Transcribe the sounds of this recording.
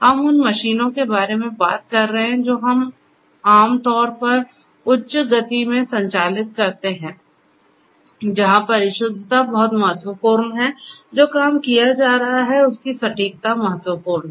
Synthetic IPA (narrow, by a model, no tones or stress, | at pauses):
hɐmʊnmɐʃiːnõkebaːɾemẽba̰ːt̪̚kɐɾːɐɦɛ̃d͡ʒoːɦɐm | aːmt̪ɔːɾpɐɾ | ʊtːʃɡɐt̪imẽsɐ̃ɲt͡ʃaːlɪt̪̚kɐɾt̪eɦɛ̃ː | d͡ʒɐɦãpɐɾɪʃʊd̪ʱt̪abɐɦʊt̪mɐɦət̪wəpuːɾnɦɛd͡ʒoːkaːmkijad͡ʒaːɾɐɦaɦɛʊskisɐʈiːk̚t̪amɐɦət̪wəpuːɾn